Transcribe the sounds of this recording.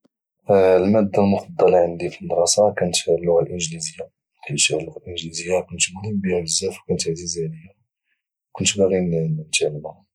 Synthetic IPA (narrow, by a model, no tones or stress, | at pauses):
lmæd̪ːælmʊfɑd̪ˤːɑlʕənd̪ifid̪ɾˤɑsɑkænət̪filːʊɣælʔənʒlizəjːa | ħiʃælːʊɣælʔənʒlizəjːakʊnt̪bæɣibihælzːæfwkænət̪ʕzizænəjːæ | kʊnt̪bæɣint̪aʕlmæ